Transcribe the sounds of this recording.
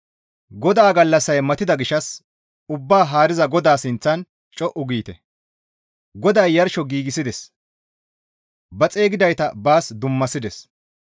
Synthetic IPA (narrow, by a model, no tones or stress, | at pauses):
ɡɔd̪aːɡɐlːɐsɐjmɐt̪ɪd̪ɐɡɪʃɐs | ʊbːaːɦaːɾɪzɐɡɔd̪aːsɪnt͡sːɐn | t͡ʃʼɔʔʊɡiːt̪ɛ | ɡɔd̪ɐjːɐɾʃɔɡiːɡɪsɪd̪ɛs | bɐt͡sʼe̞ːɡɪd̪ɐjt̪ɐbaːsd̪ʊmːɐsɪd̪ɛs